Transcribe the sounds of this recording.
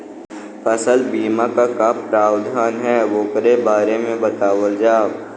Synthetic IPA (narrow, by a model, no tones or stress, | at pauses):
pʰəsəlbiːmãkakappɾaːʊd̪ʱaːnɦɛːʋoːkɾebaːɾemẽbɐt̪aːwəld͡ʒaː